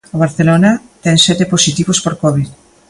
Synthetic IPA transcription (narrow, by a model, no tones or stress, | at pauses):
oβ̞aɾθelonat̪ɛŋsɛt̪eposit̪iβospoɾkoβið